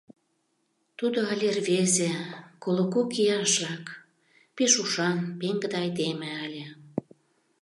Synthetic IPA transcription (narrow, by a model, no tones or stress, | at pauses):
t̪ud̪oɑlʲervezekolokokijɑʃlɑk | peʃuʃɑnpeŋɡə̆d̪eɑjd̪emĕælʲĕ